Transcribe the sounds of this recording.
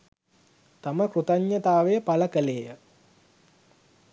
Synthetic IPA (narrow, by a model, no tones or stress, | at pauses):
t̪aməkrut̪aɲːət̪aːʋejəpaləkəleːjə